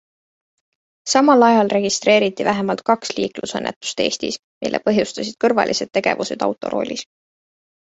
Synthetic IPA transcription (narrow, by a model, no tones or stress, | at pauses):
sɑmɑlɑjɑlre̞ɡ̥ist̪re̞ːɾit̪ˑːivæɦemɑlt̪̚kɑksliːklusɤnːʔet̪ːˑu̥st̪e̞ːst̪is | mʔilʔḛpɤ̞ɦjust̪ɑsid̪̥̚kɤrvɑ̰lʔise̞d̪̥̚t̪e̞ɡ̥e̞̰vuse̞d̪̥ɑ̰wt̪ːˑo̞̰ɾʔo̞̰ːlʲis